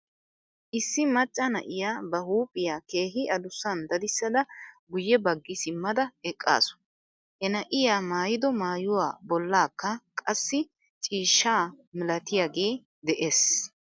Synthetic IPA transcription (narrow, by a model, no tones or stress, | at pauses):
ʔɪsːɪmɐt͡ʃʼːɐnɐ̰ʔɪjaːbɐhuːpʼːɪjaːke̞ːɦɪɐd̪ʊsːɐnd̪ɐd̪ɪsːɐd̪ɐɡʊjːɛbɐɡːɪsɪmːɐd̪ɐɛkʼːa̰ːsʊ̥ | hɛnɐʔɪjaːmaːjɪd̪ɔmaːjʊwa̰ːbɔlːaːkːɐkʼɐsːɪ | t͡ʃʼiːʃːaːmɪlɐt̪ɪjaːɡeː | d̪ɛʔeːs